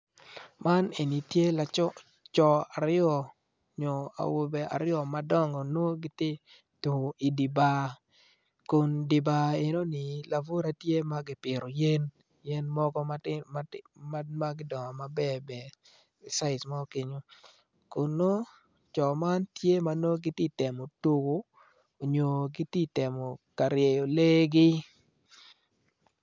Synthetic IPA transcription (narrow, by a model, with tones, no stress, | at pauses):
ma˦ne˨ni˨tje˦la˨t͡ʃɔ˦ | t͡ʃɔ˨a˨ɾɪɔ˨ | ɲo˨a̰˨wo˨bɛ˨ʔa̰˨ɾɪɔ˨ma˦dɔ˦ŋɔ˨no˦ɡɪ˦tɪ˦ | tu˨i˨di˨ba˨ | ko˨ndɪ˨ba˨e˨no˦nɪ˨la˨vo˦ɾa˦tje˦ma˦ɡɪ˨˦pɪ˨ɾo˨je˦n | jɛ˦nmɔ˦ɡɔ˦a | ma˦ma˦ɡɪ˦dɔ˨ŋɔ˨ma˨bɛ˦˨bɛ˨ | sa˦ɪ˨sma˦o˦ki˨ɲo˦ | ko˨no˦ | t͡ʃɔ˨ma˦ntje˦ma˦no˦ɡɪ˦ti˦˨tɛ˨mo˨to˨ɡo˦ | o˨ɲo˨ɡi˦ti˦tɛ˨mo˨ka˨ɾje˨jo˨le˦ɡɪ˦